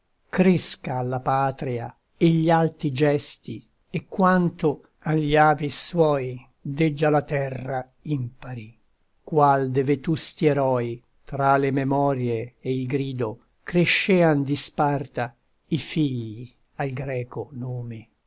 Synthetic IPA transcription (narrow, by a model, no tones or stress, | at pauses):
kɾeskaːlːapaːt̪ɾia̰ | eʎːalt̪id͡ʒɛst̪i | ekːwant̪o | aʎːaːviswɔj | d̪ɛd͡ʒːalat̪ɛrːa | impaɾi | kwald̪evet̪ust̪ieɾɔːj | t̪ɾalememɔɾjeːilɡɾiːd̪o | kɾeʃːɛːand̪ispart̪a | ifiʎːi | alɡɾɛːkonoːme